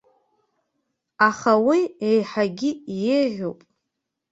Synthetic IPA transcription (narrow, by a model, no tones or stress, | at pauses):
aχawiejħaɡʲijeʒʲowpʼ